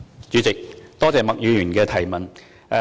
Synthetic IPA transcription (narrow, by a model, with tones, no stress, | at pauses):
t͡ʃyː˨˧t͡sɪ˨k̚t̪ɔː˥t͡sɛː˨mɐ˨k̚jyː˨˧jyː˨˩nkɛː˧t̪ʰɐ˨˩jmɐ˨˩n˧